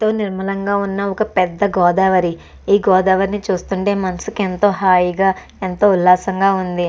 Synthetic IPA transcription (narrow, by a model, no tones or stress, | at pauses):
t̪o̞ːniɾmɐlɐŋɡaːunːɐɔkɐpɛd̪ːɐɡɔːd̪aːʋɐɾi | iːɡɔːd̪aːʋɐɾinit͡ʃuːst̪uɳʈe̞ːmɐnɐsu̥kent̪o̞ːɦaːjiɡaː | ent̪oːulːaːsɐŋɡaːund̪i